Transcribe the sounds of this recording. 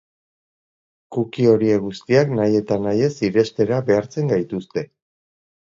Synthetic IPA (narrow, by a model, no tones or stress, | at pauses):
kukio̞ɾie̞ɣ̞ust̪iaknaje̞t̪anaje̞siɾe̞st̪e̞ɾaβe̞aɾt͡se̞ŋɡajt̪ust̪e̞